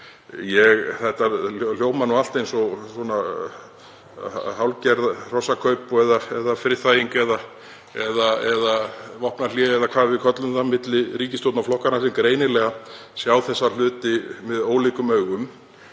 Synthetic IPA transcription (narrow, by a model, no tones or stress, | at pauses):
jɛɣθɛht̪ːal̥joːwmanɔal̥t̪ejnsɔsɔna | hawlcɛɾðr̥ɔsakʰœɥpɛðaɛðafɾɪθajiŋkɛða | ɛðaɛðavɔhpnaljɪɛðakʰvaːðvɪðkʰœt̪lʏmθamɪt̪lɪɾiːcɪst̪owt̪nawflɔhkaɾnasɛmkɾeːjnɪlɛɣasjaːwθɛsːal̥ʏːt̪ɪmɪðoːwliːkʏmœɥɣʏm